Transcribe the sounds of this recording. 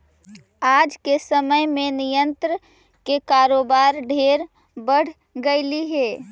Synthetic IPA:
aːd͡ʒkesəməjmẽnijə̃nt̪ɾə | kekaːɾoːbaːɾɖʱeːɾ | bəɽ̤ | ɡəɪliɦeː

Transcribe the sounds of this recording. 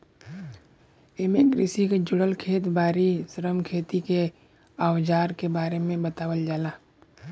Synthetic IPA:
emekɾɪsiked͡ʒʊɽəlkʰeːt̪baːɾisəɾəmkʰeːt̪ike | aːwd͡ʒaːɾkebaːɾemẽbət̪aːwəld͡ʒaːlaː

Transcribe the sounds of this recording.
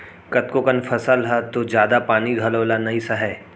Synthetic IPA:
kɐt̪̚kokənfʰɐsalɦat̪od͡ʒjaːd̪apaːniɡʱɐloːlanɐɦĩsɐɦɛː

